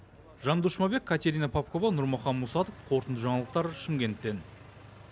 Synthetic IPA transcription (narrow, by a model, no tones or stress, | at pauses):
ʒɑnd̪uʃmɑbe̞kʲʰːat̪ʲe̞ɾʲinapʰap̚ko̞vɑnʊɾmɑχɑnmusɑt̪ofqʰoɾt̪ənd̪əʒɑɴɑlˠəq̚t̪ɑɾʃɪmɡʲe̞nt̪ːe̞n